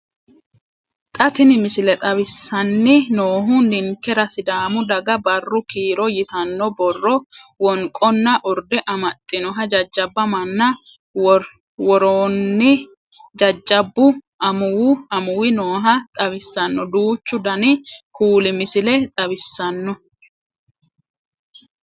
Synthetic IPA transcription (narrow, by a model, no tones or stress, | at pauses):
t̪ʼɐt̪ɪnɪmɪsɪlɛt̪ʼɐbɪsːɐnːɪnoːɦʊnɪŋkːɛɾɐsɪd̪aːmʊd̪ɐɡɐbɐrːʊkiːɾɔjɪt̪ɐnːɔbɔrːɔwɔŋkʼːɔnːɐʔʊɾd̪ɛʔɐmɐt̪ʼːɪnɔɦɐd͡ʒɐd͡ʒːɐbːɐmɐnːɐ | w | wɔɾoːnːɪ | d͡ʒɐd͡ʒːɐbːʊʔɐmʊwʊɐmʊwɪnoːɦɐt̪ʼɐβɪsːɐnːɔd̪uːt͡ʃːʊd̪ɐnɪkuːlɪmɪsɪlɛt̪ʼɐbɪsːɐnːɔ